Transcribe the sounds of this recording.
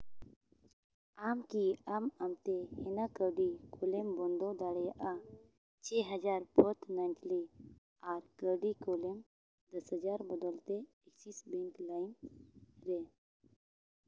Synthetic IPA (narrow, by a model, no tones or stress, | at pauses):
amkiamamt̪ɛhɛnakəɖikolɛmbɔnd̪ɔd̪aɽɛjaʔa | t͡ʃʰɛɦəd͡ʒaɾpʰɔt̪nantli | aɾkəɖikolɛm | d̪əshəd͡ʒaɾbɔd̪ɔlt̪e | ɛksisbɛ̃ŋklajn | ɾɛ